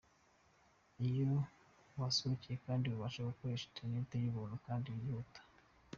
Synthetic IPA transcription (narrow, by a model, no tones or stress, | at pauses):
ijo | wasuβucijekaːndiwuβaʃeokoeʃi̥teneteɾiβuːnukaːndijutḁ